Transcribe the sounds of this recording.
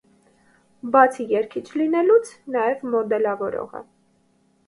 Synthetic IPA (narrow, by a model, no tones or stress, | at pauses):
bɑt͡sʰijɛɾkʰit͡ʃʰlinɛlut͡sʰnɑjɛvmɔd̪ɛlɑvɔɾɔ̰ʁə̰